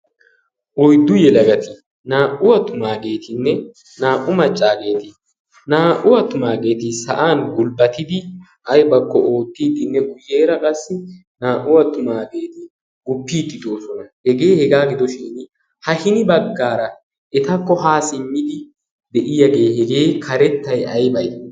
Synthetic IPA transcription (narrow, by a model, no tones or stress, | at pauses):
ʔɔjd̪ʊjɛlɐɡɐt̪ɪ | naːʔʊwɐt̪ːʊmaːɡe̞ːt̪ʰɪnːɛ | naːʔʊmɐt͡ʃʼːaːɡe̞ːt̪ɪ | naːʔʊwɐt̪ːʊmaːɡe̞ːt̪ɪsɐ̰ʔaːnɡʊlbɐt̪ːɪd̪ɪ | ʔɐjbɐkːɔʔo̞ːt̪ːiːd̪ɪnːɛɡʊje̞ːɾɐkʼɐsːɪ | naːʔʊwɐt̪ːʊmaːɡe̞ːt̪ɪ | ɡ̥ʊpːiːd̪ːɪd̪o̞ːsɔnɐhɛɡe̞ːhɛɡaːɡɪd̪ɔʃiːn | hɐhɪnɪbɐɡːaːɾɐ | ʔɛt̪ɐkːɔɦaːsɪmːɪd̪ɪ | d̪ɛʔɪjɐɡe̞ːhɛɡeːkʰɐɾɛt̪ːɐjɐjbɐj